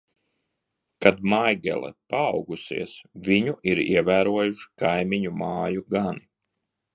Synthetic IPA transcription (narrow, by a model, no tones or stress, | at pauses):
kad̪majɡɛ̰lˠɛ̰paːwɡusḭɛsvʲiɲuʔiɾiɛvæːɾuɔjuʃi̥kajmiɲumaːjuɡani